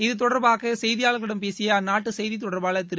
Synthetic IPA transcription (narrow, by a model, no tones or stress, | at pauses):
ɪðɯt̪̬ɔɽɐɾbaːɣɐsɛjðɪjaːlɐkɪɽɐmpeːsɪjɐnaːʈːɯsɛjðit̪̬ːɔɽɐɾbaːlɐt̪ːɪɾ